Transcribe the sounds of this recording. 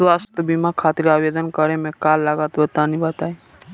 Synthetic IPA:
sʋast̪əbimakʰaːt̪ɾiaːʋed̪ənkəɾemẽkaːlːaɡaːt̪bət̪anibət̪ae

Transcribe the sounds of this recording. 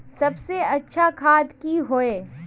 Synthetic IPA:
sɐbseɐtːʃʰakʰaːd̪kiɦoeː

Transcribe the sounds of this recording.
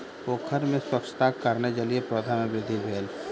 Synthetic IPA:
poːkʰəɾmẽswɐkʃt̪akɐɾned͡ʒaliepɾoːd̪ʱamẽbɾɪd̪ʱːibʱeːl

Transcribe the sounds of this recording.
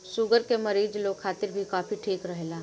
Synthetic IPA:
ʃʊɡəɾkemɐɾiːd͡ʒloːkʰaːt̪ɪɾbʱikaːfiʈʰiːkɾɐɦelaː

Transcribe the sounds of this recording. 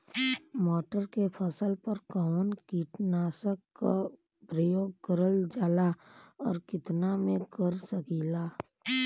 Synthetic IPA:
mɔːʈəɾkepʰəsəlpəɾkənkiːʈnaːsəkːa | pɾəjoːɡ̚kəɾəld͡ʒaːlaɔːɾkɪt̪namẽkəɾsəkiːlaː

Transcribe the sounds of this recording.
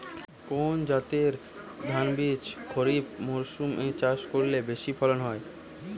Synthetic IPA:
kond͡ʑat̪eɾ | d̪ʱanbit͡ɕkʰoɾibmoɾʃumʔet͡ɕaʃkoɾlebeʃipʰɔlonɦɔe

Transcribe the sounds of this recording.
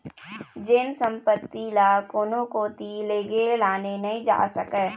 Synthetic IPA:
d͡ʒensə̃mpət̪ːilaːkoːnõkoːt̪ileːɡelaːnenəĩd͡ʒa̰ːsəkɛ

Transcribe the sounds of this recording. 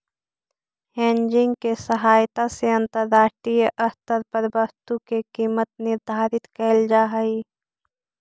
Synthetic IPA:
ɦẽːnd͡ʒɪ̃ŋɡkesəɦaːjt̪aseɐ̃nt̪əɾd̪aːʃʈɾijəʔɐst̪əɾpəɾbəɾt̪ukekiːmət̪nɪɾd̪ʱaːɾɪt̪kəld͡ʒaːɦəi

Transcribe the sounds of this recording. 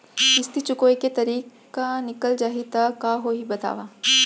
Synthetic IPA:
ɪst̪it͡ʃʊkoːiket̪ɐɾiːk | anɪkəld͡ʒaːɦit̪akaːɦoɦibɐt̪a̰ːʋaː

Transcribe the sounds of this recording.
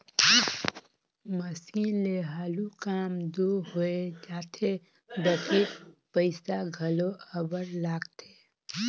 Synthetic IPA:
məsiːnleɦaːlukaːmd̪oːɦoed͡ʒaːt̪ʰe | d̪əkʰipəɪsaɡʱəloəbəɾlaːɡt̪ʰeː

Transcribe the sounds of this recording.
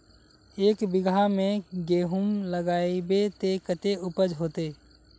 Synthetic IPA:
eːkbɪɡʱamẽɡeːɦʊmləɡaːebet̪ekət̪eʊpəd͡ʒɦoːt̪eː

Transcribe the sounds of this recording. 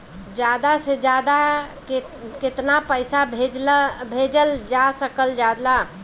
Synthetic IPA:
d͡ʒad̪ased͡ʒad̪ak | ket̪napəɪsabʱed͡ʒbʱed͡ʒəld͡ʒasəkəld͡ʒad̪la

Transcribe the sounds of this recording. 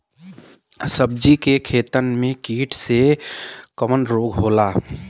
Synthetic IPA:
səb̚d͡ʒikekʰeːt̪ənmẽkiːʈʰse | kəmənɾoɡɦola

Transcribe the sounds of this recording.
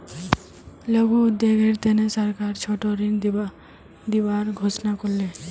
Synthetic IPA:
ləɡuːd̪eɡʱeɾt̪enesəɾkaɾt͡ʃʰɔʈɔɾin | d̪ibaɾɡʱɔsnakɔɾle

